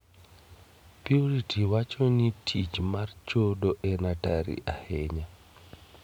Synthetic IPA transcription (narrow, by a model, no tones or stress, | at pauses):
pjuɾitʰiwat͡ʃonitʰit͡ʃmart͡ʃoɗɔʔɛnataɾḭʔahɛɲa